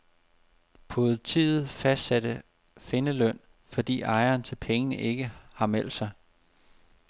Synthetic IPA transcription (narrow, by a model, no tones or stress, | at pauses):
pʰoð̩ˠt͡sʰiːðð̩ˠfæsd̥sæd̥ə | fe̝nəlœn̰ | fɒ̽d̥ḭːɑ̈ɪɐːnt͡sʰe̝lpʰeŋənəʔe̝ɡ̥əhɑ̈mel̰d̥sɑ̈ɪ